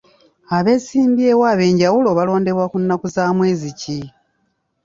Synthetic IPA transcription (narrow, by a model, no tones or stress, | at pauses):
aβe̞siːmbje̞waːβe̞ːɲɟawulo̞βalo̞ːnde̞βwakunːakuzaːmwe̞ːzici